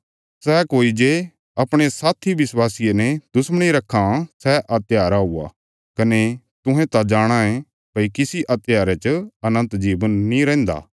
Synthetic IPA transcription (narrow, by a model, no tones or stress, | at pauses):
sɛkoːid͡ʒe | ɐpɽ̃esaːt̪ʰiʋɪswaːsijenɛd̪̥ʊsməɽ̃iɾɐkʰːãsɛʔɐt̪jaːɾaɦua̰ | kɐne | t̪ʊ̃ɦɛ̃t̪ad͡ʒaːɽ̃ãɛ̃ | pɐikɪsiʔɐt̪ɪjaːɾɛt͡ʃɐnə̃nt̪d͡ʒiːbənːĩɾɛ̃ːnd̪a̰ː